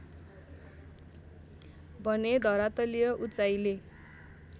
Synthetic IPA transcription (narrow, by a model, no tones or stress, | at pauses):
bʱʌned̪ʱʌɾat̪ʌlijʌʔut͡sajle